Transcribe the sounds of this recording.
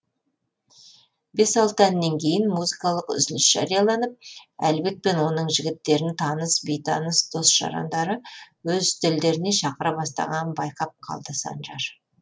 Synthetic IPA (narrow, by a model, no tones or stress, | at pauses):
be̞sɑlˠt̪əænːeŋkʲʰe̞jɪnmuzikɑlˠəqʏ̰zɪnɪsʒ̥ɑ̰ɾijɑlˠɑnəp̚ælbe̞t̪̚pe̞nwo̞nəɴʒɪɡʲɪt̪ːe̞ɾɪnt̪ʰɑnəsbejt̪ʰɑnəsd̪̥o̞sʒ̥ɑ̰ɾɑ̰nd̪ɑɾəwɵzt̪ʰɪld̪e̞ɾɪneʃɑqəɾɑbɑst̪ɑ̰ʁɑnbɑjqɑp̚qʰɑ̰lˠd̪əsɑ̰nʒɑɾ